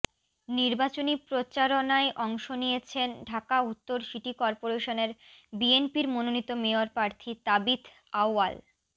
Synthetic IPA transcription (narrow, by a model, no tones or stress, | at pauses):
niɾbat͡ɕonipɾot͡ɕaɾonaeʔɔŋʃonijet͡ɕʰenɖʱakaut̪ːoɾʃiʈikɔɾpoɾeʃoneɾbienpiɾmononit̪ːomeoɾpɾaɾt̪ʰit̪abit̪ | awa̰l